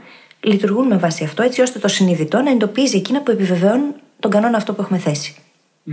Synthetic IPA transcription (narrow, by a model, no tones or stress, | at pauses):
lit̪uɾɣunme̞vɐsiɐft̪o̞e̞t͡sio̞st̪e̞t̪o̞siniðit̪o̞nɐend̪opizie̞cinɐpue̞pive̞veonun | t̪o̞ŋɡɐno̞nɐːft̪o̞pue̞xume̞θe̞si̥